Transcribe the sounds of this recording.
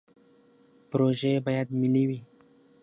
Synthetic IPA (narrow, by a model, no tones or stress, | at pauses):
pɾoʒebajad̪miliwi